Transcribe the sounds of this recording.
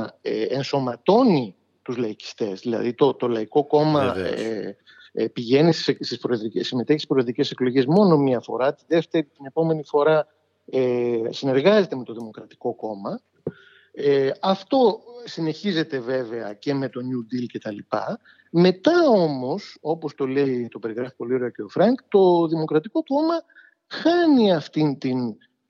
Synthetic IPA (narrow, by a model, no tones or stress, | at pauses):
eenso̞mɐt̪o̞ni | t̪uzlɐici̥st̪e̞zðilɐ̰ðit̪o̞t̪o̞lɐiko̞ko̞mɐ | piʝe̞nisssispɾoðɾiesime̞t̪e̞çisi̥spɾoðɾice̞se̞klo̞ʝiezmo̞no̞miɐfo̞̰ɾɐt̪iðe̞ft̪e̞ɾit̪ine̞po̞me̞nifo̞ɾɐ | esine̞ɾɣɐze̞t̪eme̞t̪o̞ðimo̞kɾɐt̪i̥ko̞ko̞mɐ | eɐft̪o̞sine̞çize̞t̪e̞ve̞ve̞ɐce̞me̞t̪o̞nud̪ilce̞t̪ɐlipɐ̰ | me̞t̪ɐo̞mo̞so̞po̞st̪o̞le̞it̪o̞pe̞ɾiɣɾɐfi̥po̞lio̞ɾeoceofɾɐŋkt̪o̞ðimo̞kɾɐt̪iko̞ko̞mɐ | xɐniɐft̪int̪in